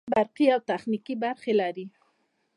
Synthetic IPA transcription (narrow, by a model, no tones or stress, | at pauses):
baɾqiawt̪axnikibaɾxelaɾi